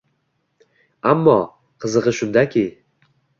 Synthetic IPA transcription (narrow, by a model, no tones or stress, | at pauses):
amːɒ | qʰɨzɨʁɨʃʊnd̪akʲʰɪ